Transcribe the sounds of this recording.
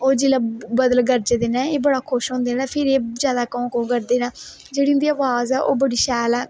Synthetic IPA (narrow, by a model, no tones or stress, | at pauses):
oːd͡ʒilaːbəd̪əlɡəɾd͡ʒd̪eːnãːeːbəɽaːkʰʊʃɦõːnd̪eːnaapʰɪɾeːzjaːd̪aːkõkõɡəɾd̪eːnãː | d͡ʒeːɽiːʊnd̪iːaːʋaːzɛːʔoːbəɽiːʃɛːlaː